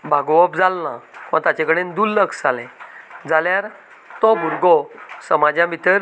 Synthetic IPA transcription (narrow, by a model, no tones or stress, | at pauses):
bʱaɡɔʋəpd͡zalnã̰kiʋ̃at̪at͡ɕekəɽend̪ulːəksalɛ̃d͡zaljaɾ | t̪ɔmuɾɡɔsəmad͡ʑjãmit̪əɾ